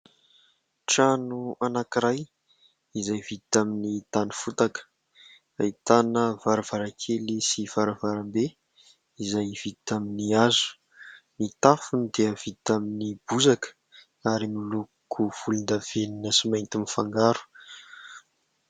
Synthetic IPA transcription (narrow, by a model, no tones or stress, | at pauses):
ʈ͡ʂanuanakiɾaj | izajvid̪t̪aminit̪anifut̪akə̥ | ait̪anəvaɾav̥aɾakʰelisivaɾavaɾambe | izajv̥id̪i̥t̪aminiazu̥ | nit̪afunid̪eəv̥id̪t̪aminib̥uzakə̥ | aɾimilu | kʰuv̥ulund̪av̥eninəsimajnt̪imifaŋɡaɾu̥